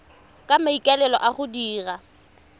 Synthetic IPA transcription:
kʼamaikʼalɛlɔ̰ʔaχʊdiːra

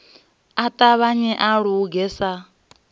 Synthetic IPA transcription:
atʼaβaɲɛʔaɺuuɡɛːsa

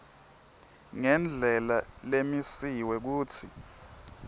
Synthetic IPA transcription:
ŋɛnd͡ɮʱɛlalemisiwɛk̬uːt͡sʰi

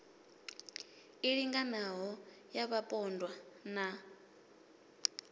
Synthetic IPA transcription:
iɺiŋɡanaɦɔjaβapʼɔndwana

